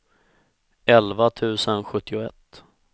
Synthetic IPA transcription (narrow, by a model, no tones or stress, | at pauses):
ɛlvat̪ʰʉ̟ːsənɧɵt̪ːɪʊɛ̰t̪ː